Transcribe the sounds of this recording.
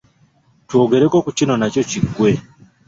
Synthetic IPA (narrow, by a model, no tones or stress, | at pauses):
twoɡeɾekokut͡ʃinonacociɡwe